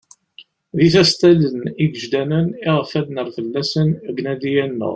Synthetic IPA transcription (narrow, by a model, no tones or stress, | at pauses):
ðiθæst̪æləniɡəʒd̪ænəniʁəfæd̪nəɾfəlːæsənɡnæd̪ijænːə̰ʁ